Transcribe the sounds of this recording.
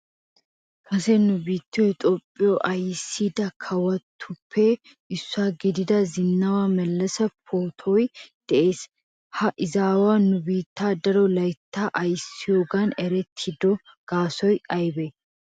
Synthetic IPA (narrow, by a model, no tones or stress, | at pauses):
kʰɐsɛnʊbiːt̪ːɪjɔjt̪ʼopʼːɪjɔʔɐjɪsːiːd̪ɐkʰɐwɐt̪ʰːʊpʰːeː | ʔɪsːaːɡɪd̪ɪd̪ɐzɪnːɐwamɛlːɐsɐpʰoːt̪ʰɔjd̪̥ɛʔe̞ːs | hɐʔɪzaːwaːnʊbiːt̪ːaːd̪ɐɾɔlɐjt̪ːaːʔɐjɪsːɪjoːɡanɛɾɛt̪ʰːɪd̪ɔ | ɡ̥aːsɔjɐjbɛ